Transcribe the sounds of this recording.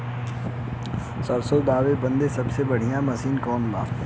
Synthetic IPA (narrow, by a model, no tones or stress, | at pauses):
sɐɾsod̪aːʋebɐ̃nd̪esɐbsebɐɽ̤ijãmɐsiːnkɔːnba̰ː